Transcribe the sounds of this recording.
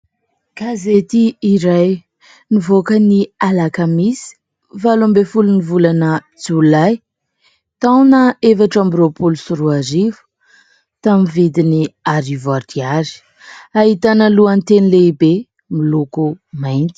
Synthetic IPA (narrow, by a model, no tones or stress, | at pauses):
kazet̪iːɾaj | nivokənialakamisi̥ | falambefulunivulanə | d͡zulaj | t̪awnəefaʈ͡ʂambiropulusuɾuaɾivu̥ | t̪amivid̪iniaɾivard̪iaɾi̥ | aɦit̪anəluant̪enileibe | milukumajnt̪i̥